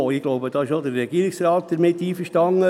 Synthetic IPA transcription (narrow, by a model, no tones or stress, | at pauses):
oɪɡ̥loʊbəd̥̪ɑɪʃod̪əɾːɛɡiːəɾɪksrɑːt̪̚d̪̥əɾmɪt̪ːiːfəʃtɑŋːə